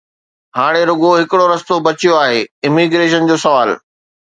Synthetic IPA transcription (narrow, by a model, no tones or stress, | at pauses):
haːɽ̃eɾʊɡoɦɪkɪɽoɾɐst̪obɐt͡ɕijoaːɦeːɪmiɡɾeːʃənd͡ʑoːsɐʋaːl